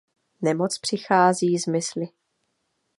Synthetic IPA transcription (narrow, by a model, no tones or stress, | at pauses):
nɛmot͡spr̝̥ɪxaːziːzmɪslɪ